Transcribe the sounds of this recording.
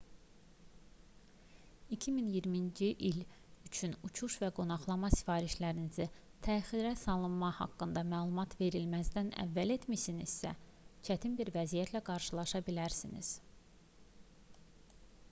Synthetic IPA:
icʰiminjiɾmind͡ʒiʔil | yt͡ʃʰynut͡ʃʰuʃvæɡo̞nɑχlˠɑmɑsi̥fɑːɾiʃlæɾinizi | t̪ʰæxiɾæsɑlˠɯnmɑhɑ̰kːɯnd̪ɑmæːlˠumɑt̪ʰve̞ɾilmæzd̪ænæ̰vːæle̞t̪misinḭzsæ̰t͡ʃʰæt̪ʰinbiɾvæzijæt̪ʰlæɡɑɾʃɯlˠɑʃɑbilæɾsinḭz̥

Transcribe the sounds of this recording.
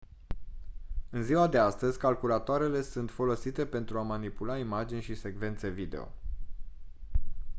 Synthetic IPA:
ɨnziwad̪e̞ast̪əzʲkalkulat̪oaɾe̞le̞sunt̪fo̞lo̞sit̪e̞pe̞nt̪ɾuamanipulaimad͡ʒinʲʃise̞ɡve̞nt̪se̞vid̪e̞̰o̞̰

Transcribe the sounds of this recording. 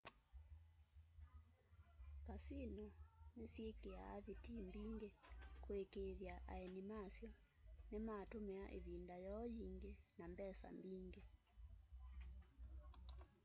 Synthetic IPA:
kasinɔnesjekeaːβitimbiŋɡekoekeðjaʔa̰ɛnimasjɔ | nematomeaʔḛβindajɔjiŋɡenambɛsa̰mbiŋɡe

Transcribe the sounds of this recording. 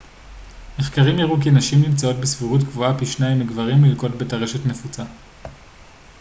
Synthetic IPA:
meχkaʁimjaʁuk̬inaʃimnimt͡sao̞tbesviʁutkvuapiʃnajimeɡvaʁimlilko̞tbetaʁe̞ʃe̞tne̞fut͡sa

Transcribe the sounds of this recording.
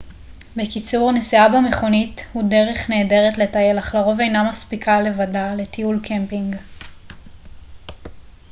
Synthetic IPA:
bekit͡suʁanesiabame̞χo̞nithudeʁeχne̞ːde̞ʁetle̞taje̞laχlaʁo̞ve̞jnamaspikʰale̞vadale̞t̪iulkʰempiŋɡ

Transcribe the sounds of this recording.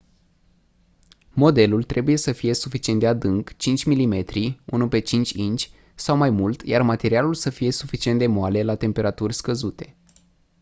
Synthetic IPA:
mo̞d̪e̞lult̪ɾʔe̞buje̞səfije̞sufit͡ʃient̪d̪ead̪ɨŋkt͡ʃint͡ʃʲmilime̞t̪ɾiunupe̞t͡ʃint͡ʃʲint͡ʃʲ | sawmajmult̪jarmat̪e̞ɾialulsəfije̞sufit͡ʃiend̪e̞moale̞lat̪e̞mpe̞ɾat̪urʲskəzut̪e̞

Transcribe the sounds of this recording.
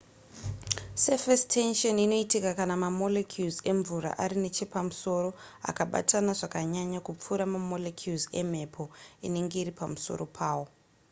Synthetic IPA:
sefestʰenʃonino̞itikakanamamo̞lekʰjuze̞ɱvuɾa̰ʔaɾine̞t͡ʃe̞pamuso̞ɾo̞ | a̰kaɓa̰tanaʐakaɲaɲakup͡fuɾamamo̞lekʰjuze̞m̤e̞pʰo̞ine̞ŋɡe̞iripamuso̞̰ro̞pʰaːwo̞

